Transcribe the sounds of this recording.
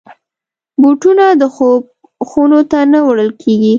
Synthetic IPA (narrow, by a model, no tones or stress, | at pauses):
buʈunad̪əxob̚ | xunot̪anəwɽəlkʰeɡi